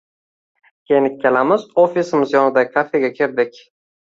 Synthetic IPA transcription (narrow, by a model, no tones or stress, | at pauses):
kʲʰejɪnɪk̚ʲʰːelamɪzofisɪmɪzjɒnɪd̪akʰafe̞ɡʲakʲʰeɾd̪ɪkʲ